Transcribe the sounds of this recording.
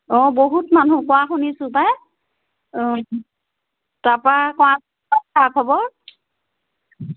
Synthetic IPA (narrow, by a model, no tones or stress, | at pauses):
ɔboɦutmanukɔaxunisʊpaj | tapɹakɔ̃as | ɔakʰɔbɔɹ